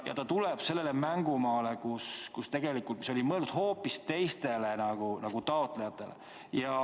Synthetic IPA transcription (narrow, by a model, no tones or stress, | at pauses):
jɑ̰t̪ɑt̪uleb̥se̞lːe̞lemæŋɡ̥umɑːle̞kuskust̪e̞ɡ̥e̞likːˑult̪̚mi̥so̞limɤeld̪ud̪̥ho̞ːpːist̪e̞jst̪e̞le̞nɑɡ̥unɑɡ̥ut̪ɑot̪ˑlejɑt̪ːˑe̞le | jɑ